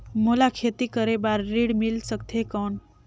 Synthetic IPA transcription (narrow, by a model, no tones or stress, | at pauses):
mulakʰet̪ikəɾebaɾːiɽmilsəkt̪ʰekəɳ